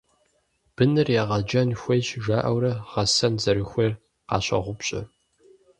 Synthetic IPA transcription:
b̥ɨnɨrjaːʁɐd͡ʒɐnxʷejt͡ʃʒaːʔɐwɾɐʁɐsɐnzɐɾɨxʷeːr | qɑ̰ːɕʼɐ̰ʁʷʊpɕʼɪ̰

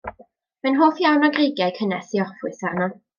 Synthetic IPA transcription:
mɛnɦoːθjawnɔɡreɡjajkʰənɛsiɔfʊɨsarnɔ

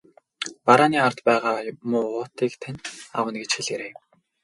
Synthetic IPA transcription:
paɾaːniːart̪pæːʁaːmʊːʁʊːt̪iːkt̪ʰænʲa̰wə̆nɡet͡ɕxiɮeɾeː

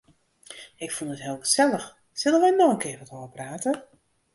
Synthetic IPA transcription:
ɪkfunətɦɪːlˠɡəzɛləx | sɪlˠənʋɛjnɔxənkɪːʋɔtoːvəpraːtə

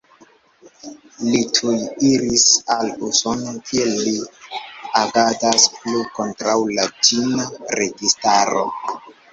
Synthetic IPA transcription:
litʰujiɾisaluso̞nokʰielːi | aɡatasplukontɾawlad͡ʒinaɾeɡistaɾo̰

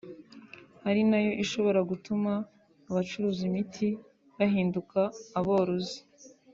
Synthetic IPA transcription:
haɾinajo̞ʔiʃo̞βo̞ɾaɡutumaː | βat͡ʃuɾuːzimitʰi | βaɦiːndukaːβo̞ːɾozi̥

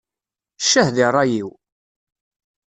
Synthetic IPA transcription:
ʃːəhðirˤːɑjiw

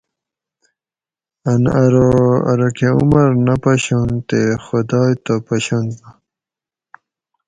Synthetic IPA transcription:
anaɾoa̰ɾokeṵmɐɾnapaɕont̪exod̪aːjt̪apaɕont̪a

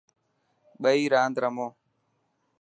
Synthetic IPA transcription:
ɓəiːɾaːnd̪ɾəmoː

